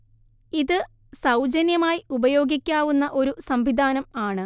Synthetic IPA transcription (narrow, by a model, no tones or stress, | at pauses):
iðɨ | sɐwd͡ʑɐnjɐmaːjiubɐjo̞ːɡikʲːaːʋunːɐʔo̞ɾusɐmʋid̪ʱaːnɐmaːɳɨ